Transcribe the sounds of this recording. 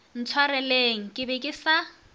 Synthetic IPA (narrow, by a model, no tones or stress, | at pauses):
n̩t͡sʰwarɛleŋ̩kʼɪbɛkʼɪsa